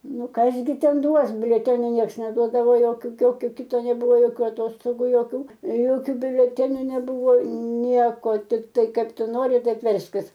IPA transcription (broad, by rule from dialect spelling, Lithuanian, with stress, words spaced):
ˈnʊ ˈkɐs ɡʲɪ ˈtʲɛn ˈduɔs bʲʊlʲɛˈtʲæːnʲoː ˈnʲiɛks nʲɛˈduɔdɐʋoː ˈjoːkʲʊ ˈjoːkʲʊ ˈkʲɪtoː nʲɛˈbʊʋoː ˈjoːkʲoː ɐˈtoːstoːɡuː joːˈkʲuː ˈjoːkʲʊ bʲʊlʲɛˈtʲæːnʲʊ nʲɛˈbʊʋoː ˈnʲiɛkoː tʲɪkˈtɐɪ ˈkɐɪp ˈtʊ ˈnoːrʲɪ ˈtɐɪp ˈʋʲɛrʲsʲkʲɪs